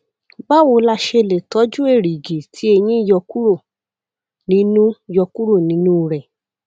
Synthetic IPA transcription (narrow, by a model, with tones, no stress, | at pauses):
ba˦wo˧˦la˧ʃe˧le˨tɔ˨˦d͡ʒu˦e˦˨ɾi˨ɡe˨tʰi˨˦e˧j̃ĩ˦i˦˨jɔ˧ku˦ɾo˦˨ | nĩ˨˦nũ˦˨jɔ˧ku˦ɾo˦˨nĩ˨˦nũ˦˨ɾɛ˨